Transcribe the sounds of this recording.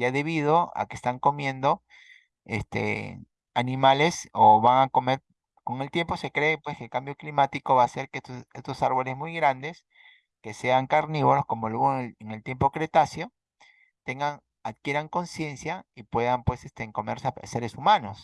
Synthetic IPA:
jaðe̞β̞iðo̞a̰kest̪aŋko̞mje̞nd̪o̞ | ḛst̪ḛ | anĩmale̞soβaŋako̞me̞ɾ | ko̞ŋe̞lt̪je̞mpo̞se̞kɾe̞ːpwe̞skelkambjo̞klimat̪iko̞βase̞ɾkeest̪osaɾβo̞le̞zmujɣɾand̪e̞s | ke̞se̞aŋkaɾniβolosko̞molweɣoeŋe̞lt̪je̞mpo̞kɾe̞t̪asjo̞ | t̪e̞ŋɡaŋ | aðkje̞ɾaŋko̞nsje̞nsjaipwe̞ðampwe̞sest̪eŋko̞me̞ɾsase̞ɾesumano̞s

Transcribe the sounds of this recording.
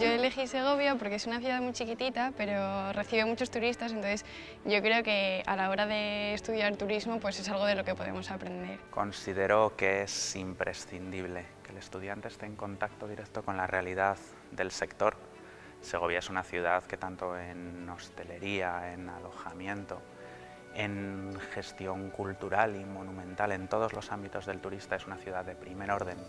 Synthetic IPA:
ʝo̞ele̞xise̞ɣ̞o̞βjapo̞ɾkeesunaθjuðaðmujt͡ʃikit̪it̪ape̞ɾo̞re̞θiβemut͡ʃo̞st̪uɾist̪as̬enonθes | ɟ͡ʝo̞kɾe̞o̞ke̞alao̞ɾaðe̞ːst̪uðjaɾt̪uɾizmo̞pwe̞se̞salɣ̞o̞ðe̞lo̞ke̞po̞ðḛmo̞sapɾe̞nd̪e̞̰ɾko̞nsið̞e̞ɾo̞ke̞esimpɾʔe̞sθind̪iβle̞ | ke̞le̞st̪uð̞jant̪eːst̪eːŋko̞nt̪ak̚t̪o̞ðiɾekt̪o̞ko̞nlarealiðað | d̪e̞lse̞kt̪o̞ɾ | se̞ɣ̞o̞βjae̞sunaθjuð̞aðke̞t̪ant̪o̞eno̞st̪e̞le̞ɾiae̞nalo̞xamje̞nt̪o̞ | e̞ŋxe̞st̪jo̞ŋkult̪uɾalimo̞nũmẽ̞nt̪ale̞nt̪o̞ð̞o̞zlo̞sambit̪o̞zðe̞lt̪uɾist̪ae̞sunaθjuðaððe̞pɾime̞ɾo̞ɾð̞e̞n

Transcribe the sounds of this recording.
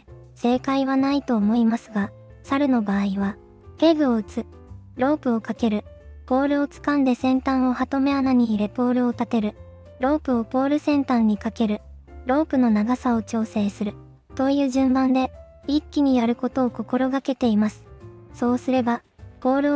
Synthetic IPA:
se̞ːkaiβanait̪o̞ːmo̞imasɨɡa | saɾɯ̟no̞baːiβa | he̞ɡɯ̟o̞ɯ̟t͡sɨ | ɾo̞ːpɯ̟o̞kake̞ɾɯ̟ | po̞ːɾɯ̟o̞t͡sɨ̥kãnd̪e̞sẽ̞nt̪ãɰ̃o̞hat̪o̞me̞anaɲ̟iːɾe̞po̞ːɾɯ̟o̞t̪at̪e̞ɾɯ̟ | ɾo̞ːpɯ̟o̞po̞ːɾɯ̟sẽ̞nt̪ãɲ̟ːikake̞ɾɯ̟ | ɾo̞ːpɯ̟no̞naɡasao̞t͡ɕo̞ːse̞ːsɨɾɯ̟ | t̪o̞jɯ̟ːʑɨ̃mbãnd̪e̞ | ikʲːiɲ̟ijaɾɯ̟ko̞t̪o̞ːko̞ko̞ɾo̞ɡake̞t̪e̞imasɨ̥so̞ːsɨɾe̞ba | po̞ːɾɯ

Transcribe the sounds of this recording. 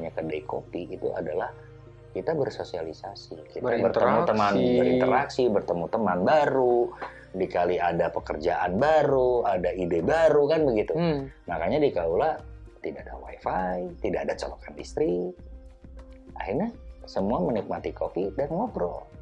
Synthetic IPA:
ɲakədaiko̰piːt̪ṵʔa̰dalah | kit̪abərsosialisasikit̪abərt̪əmut̪əmanbəɾḭnt̪əɾaksibərt̪əmut̪əmanbaɾu | dikaliadapəkərd͡ʒaʔanbaɾuadaidebaɾukanbəɡit̪umakaɲadikaulat̪idadawa̰ifajt̪idadat͡ʃalokanḭst̪ɾi | a̰hirɲasəmuamənik̚mat̪ikofidanmobɾo̰

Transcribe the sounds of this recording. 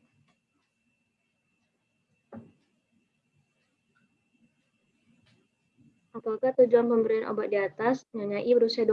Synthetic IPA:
ʔap̪akaht̪ud͡ʒuanpəmbəɾianʔo̰bat̪̚diat̪asɲaɲaʔibəɾusiadu

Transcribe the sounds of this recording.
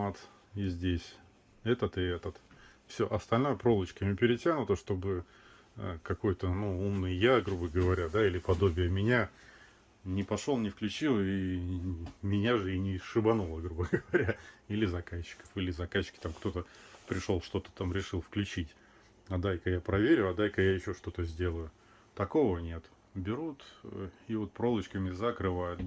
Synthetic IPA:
at̪ | izʲdʲesʲ | ɛt̪ət̪ɨɛt̪ət̪ | fsʲoʔɐst̪ɐlʲnojəpɾo̞lˠət͡ɕkəmʲɪpʲɪɾʲɪtʲanʊt̪əʂt̪o̞bɨ | əkɐko̞jt̪ənuumnɨjjaɡɾubəɡəvɐɾʲad̪ailʲɪpɐd̪o̞bʲɪjəmʲɪnʲa | nʲɪpɐʂolˠnʲɪfklʲʉt͡ɕilˠi | mʲɪnʲaʐɨinʲɪʂɨbɐnulˠəɡɾubəɡəvɐɾʲailʲɪzɐkaɕːɪ̥kə̥filʲɪzɐkaɕːɪ̥kʲɪ̥t̪amkt̪o̞t̪əpɾʲɪʂo̞lˠʂt̪o̞t̪ə̥t̪amɾʲɪʂɨlˠfklʲʉt͡ɕitʲ | ɐd̪ajkəjapɾɐvʲeɾʲʊɐd̪ajkəjajɪɕːo̞ʂt̪o̞t̪əzʲdʲe̞lˠəjʊ | t̪ɐko̞vənʲe̞t̪ | bʲɪɾut̪ivo̞t̪̚pɾo̞lˠət͡ɕkəmʲɪzəkɾɨvajʊt̪

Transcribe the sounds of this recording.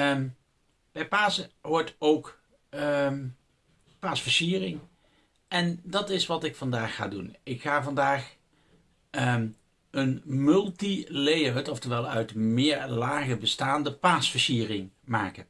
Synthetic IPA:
b̥ɛjpaːsəʋɔɹtowk | paːsfəɹsiːərɪŋ | ʔɛndɑtɪsʋɑtɪkfɑndaːxːa̰ːdṵnɪkχaːvɑndaːχ | ənmɵlˠtilejətɔftəɹʋɛlˠœɥtmɪːɹlaːɣəbəstaːndəpaːsfəɹsiːrɪŋmaːkən

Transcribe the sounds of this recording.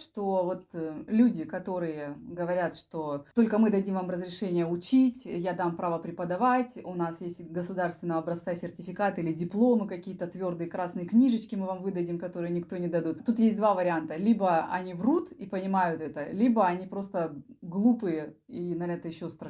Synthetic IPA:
ʂt̪ovo̞t̪lʲudʲɪkɐt̪o̞ɾɨjəɡəvɐɾʲat̪ʂt̪oo̞lʲkəmɨd̪ɐdʲimvamrəzɾʲɪʂɛnʲɪjəʊt͡ɕitʲjad̪ampɾavəpɾʲɪpəd̪ɐvatʲʊnasjesʲtʲɡəsʊd̪arst̪vʲɪnəəɐbɾɐst̪sasʲɪrtʲɪfʲɪkat̪ɨilʲɪdʲɪplˠo̞mɨkɐkʲijət̪ət̪vʲo̞rd̪ɨjəkɾasnɨjəknʲiʐɨt͡ɕkʲɪmɨvamvɨd̪ədʲɪmkɐt̪o̞ɾɨjənʲɪkt̪o̞nʲɪd̪ɐd̪ut̪t̪ːut̪jesʲt̚ʲd̪vavəɾʲɪant̪əlʲibəɐ̰nʲivrut̪ipənʲɪmajʊt̪ɛt̪əlʲibəɐnʲipɾo̞st̪əɡlˠupɨjəinɐnʲɛt̪əjɪɕːost̪ɾɐ

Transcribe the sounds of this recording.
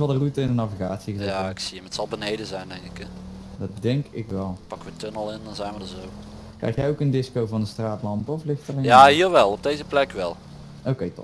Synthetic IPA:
vɑlˠdərutəɪndənaviɣaːtsiɣəzeaɪksiəmətsɑlˠbənejdəzɛjndɛŋkɪkɛ | dɑt̚dɛŋkɪkʋɛlˠpɑkʋətønəlˠɪndɑnzɛjnʋədəzow | kkrɛ̰jxtjɛjowkəndɪskowvɑndəstraːtlɑmpəɔflɪxtərjaːɦiːɹʋɛlˠɔb̚dejzəplɛkʋɛ̰lˠ | owkejtɔ̰p

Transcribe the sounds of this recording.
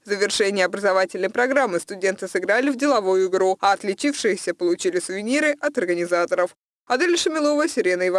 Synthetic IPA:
zəvʲɪrʂɛnʲɪjəɐbɾəzɐvatʲɪlʲnəjpɾɐɡɾamːɨst̪ʊdʲe̞nt̪ɨsɨɡɾalʲɪvdʲɪlˠɐvujʊɪɡɾuɐɐt̪lʲɪt͡ɕifʂɨjɪsʲəpəlˠʊt͡ɕilʲɪsʊvʲɪnʲiɾɨʔɐt̪ɐrɡənʲɪzat̪əɾəf | ɐd̪alʲɪʂɨmʲɪlˠo̞vəsʲɪɾʲenəjɪv

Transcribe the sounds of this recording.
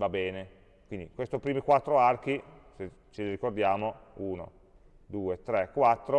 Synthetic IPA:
vabɛːne | kwind̪ikwest̪opɾiːmikwat̪ːɾoark̟ise | t͡ʃeliɾikord̪jaːmouːno̰ | d̪uːet̪ɾɛkːwat̪ːɾo

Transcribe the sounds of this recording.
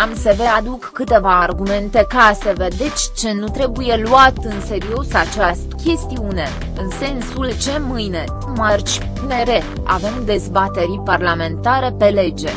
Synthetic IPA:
amse̞ve̞ad̪ukːɨt̪e̞vaːrɡume̞nt̪e̞kaseve̞d̪e̞t͡ʃʲt͡ʃe̞nut̪ɾe̞buje̞luat̪ɨnse̞ɾio̞sat͡ʃast̪kʲe̞st̪iune̞ | ɨnse̞nsult͡ʃe̞mɨjne̞ | mart͡ʃʲpune̞ɾe̞ | a̰ve̞md̪e̞zbat̪e̞ɾiparlame̞nt̪aɾe̞pe̞le̞d͡ʒe̞

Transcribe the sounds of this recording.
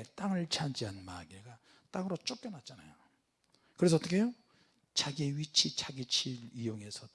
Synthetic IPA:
t͈aŋɯɭt͡ɕʰand͡ʑiɦanmaɡeɡa | t͈aŋɯɾot͡ɕ͈ok͈jʌnat̚t͡ɕ͈ana̰jo | kɯɾe̞s̬ʰʌt͈ʌkʰe̞jo | t͡ɕaɡieɥit͡ɕʰit͡ɕʰaɡit͡ɕʰiɭijoŋe̞sʰʌ

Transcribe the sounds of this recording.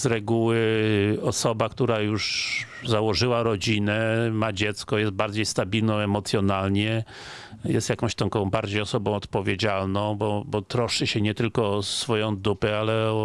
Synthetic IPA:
z̥ɾɛɡuwɘɔsɔbakt̪uɾajuʂ | zawɔʐɘwaɾɔd͡ʑinɛmad͡ʑɛt̪skɔjɛst̪̚baɾd͡ʑejst̪abʲilnɔ̃w̃ɛmɔt̪sʲjɔnalɲɛ | jɛst̪jakɔ̃w̃ɕt̪ãkɔ̃w̃baɾd͡ʑejɔsɔbɔ̃w̃ɔt̪pɔvʲjed͡ʑalnɔ̃w̃bɔbɔt̪ɾɔʂɘɕɛɲɛt̪ɘlkɔsfɔjɔ̃w̃d̪upɛalɛɔ

